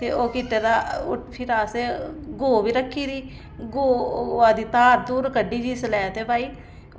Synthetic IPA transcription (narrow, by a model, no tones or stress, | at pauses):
t̪eːʔoːkɪʈːeːd̪aːʊpʰɪɾaːseɡoːbiːɾəkʰːiːɾiː | ɡoːaːd̪iːt̪aːɾd̪uːɾkəɖːiːd͡ʒiːslɛːt̪eːpaːiː